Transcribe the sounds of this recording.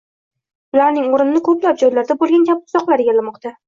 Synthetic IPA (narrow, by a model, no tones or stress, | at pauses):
ʊlaɾnɪŋoɾɪnɪnɪkʰɵplap̚d͡ʒɒjlaɾd̪abolˠɡʲankʲʰabɪʊzɒqlˠaɾeɡʲalːamɒqt̪ʰa